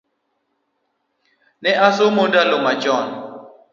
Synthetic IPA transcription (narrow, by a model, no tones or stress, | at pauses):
nɛʔasomondalomad͡ʒɔn